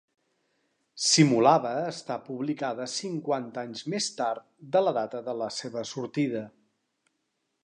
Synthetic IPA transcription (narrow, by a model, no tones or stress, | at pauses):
simulaβəːst̪apuβlikaðəsiŋkwant̪aɲzmest̪aɾt̪d̪ələðat̪əðələseβəsuɾt̪iðə